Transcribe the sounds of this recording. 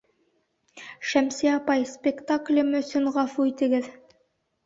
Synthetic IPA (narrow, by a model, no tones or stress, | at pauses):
ʃæmseɑpɑjspʲekt̪aklʲɘmɵ̆sɵnʁɑfuit̪ɘ̆ɡɘð